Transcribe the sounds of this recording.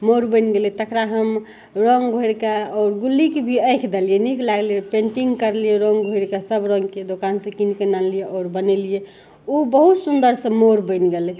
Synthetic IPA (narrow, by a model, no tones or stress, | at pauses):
moɾbəɪnɡelɛt̪əkɾaɦəm | ɾɔŋɡɡʱoiɾkaɔːɾɡulːikebʱiəɪkʰd̪elijeniklaɡliepẽɳʈiŋɡkəɾlijeɾɔŋɡʱoiɾkasəbɾɔ̃ŋɡked̪okansə̃kinkənanlijeʔɔːɾbənɛlije | ubəɦut̪sund̪əɾsə̃moɾbənɡelɛ